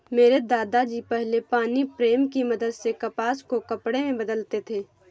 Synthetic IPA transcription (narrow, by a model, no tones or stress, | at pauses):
meːɾed̪aːd̪ad͡ʒiːpɛɦlepaːnipɾeːmkimɐd̪əd̪sekɐpaːskokɐpɽemẽbɐd̪əlt̪et̪ʰeː